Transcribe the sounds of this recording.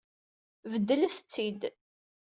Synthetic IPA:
vəd̪ːələθt͡sːid̪

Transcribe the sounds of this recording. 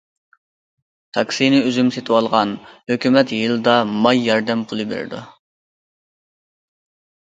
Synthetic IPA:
t̪ʰɑkʲsinɪyzymset̪ʰwɑlˠʁɑnhøkʲymɛt̪jɨlˠɨd̪ɑmɑjːɑɾd̪ɛmpʰulˠɨbḛɾɪ̰d̪ṵ

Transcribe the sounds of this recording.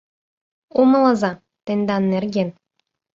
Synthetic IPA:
umɤlˠɑzɑ | t̪enʲd̪ɑnːerɡʲen

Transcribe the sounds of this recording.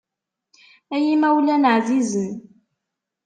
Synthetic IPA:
æjimæwlænəʕzizən

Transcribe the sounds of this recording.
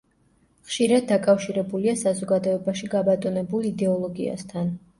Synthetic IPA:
χʃiɾad̪̚ːakʼafʃiɾɛbuliasazɔɡad̪ɔɛbaʃiɡabat̪ʼɔnɛbulˠid̪ɛɔlˠɔɡḭa̰st̪ʰan

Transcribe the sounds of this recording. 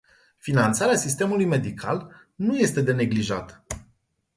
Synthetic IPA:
finant̪saɾeasist̪e̞mulujme̞d̪ikʰa̰l | nuje̞st̪e̞d̪e̞ne̞ɡliʒat̪ə̥

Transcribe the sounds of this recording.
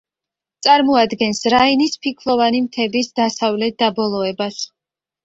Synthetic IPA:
t̪sʼaɾmɔad̪ɡɛnsɾainispʰikʰlɔvanimt̪ʰɛbisd̪asavlɛt̪̚d̪abɔlˠɔɛbas

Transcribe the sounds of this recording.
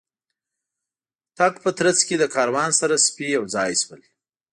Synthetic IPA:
t̪aɡpət̪ɾat͡sked̪əkʰɑɾawɑnsaɾaspiawzɑjswəl

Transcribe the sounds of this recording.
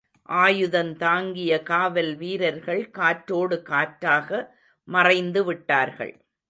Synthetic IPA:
ʔaːjɯðɐnt̪aːŋɡɪjɐkaːʋɐlʋiːɾɐɾɣɐɭkaːʈɾoːɽɯkaːʈɾaːɣɐ | mɐrɐɪnd̪ɯʋɪʈːaːɾɣɐ̰ɭ

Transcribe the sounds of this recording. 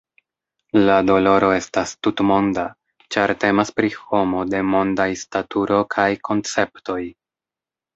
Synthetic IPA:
lado̞lo̞ɾo̞e̞stastutmo̞nda | t͡ʃaɾte̞maspɾiho̞mo̞de̞mo̞ndajstatuɾo̞kʰajkʰo̞nt͡se̞pto̞j

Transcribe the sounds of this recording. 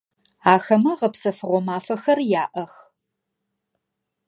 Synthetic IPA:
aːxɐmɐʁɐpsɐfɨʁʷɔmaːfɐxɐrjaːʔɐx

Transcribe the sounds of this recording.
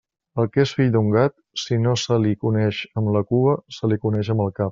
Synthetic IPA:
əlˠkesfiʎd̪uŋɡat̪̚ | sinosəlikunɛʃəmləkuəsəlikunɛʃəməlˠkap̚

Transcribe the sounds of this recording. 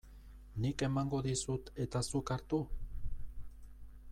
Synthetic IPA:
nike̞maŋɡo̞ðisut̪e̞t̪asukaɾt̪u

